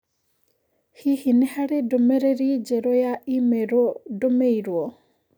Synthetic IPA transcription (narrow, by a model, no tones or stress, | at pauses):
hihinihaɾɛdɔmɛɾɛɾid͡ʒɛɾɔjaʔimɛɾɔdɔmeiɾwɔ